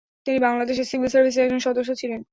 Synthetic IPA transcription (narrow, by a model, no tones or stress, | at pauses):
t̪inibaŋlad̪eʃ̬eɾsibʱilsaɾbʱis̬eɾɛk̚d͡ʑonʃɔd̪oʃ̬ːot͡ɕʰilen